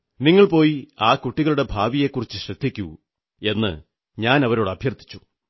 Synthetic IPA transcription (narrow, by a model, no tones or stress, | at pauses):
niŋːɐɭpo̞ːjiaːkuʈːiɣɐɭuɽe̞bʱaːʋije̞kːurit͡ɕːɨɕrɐd̪ʱːikʲːu | e̞nːɨ̰ | ɲaːnɐʋɐɾo̞ːɽɨɐbʱjɐrt̪ʰːi̥t͡ɕːu̥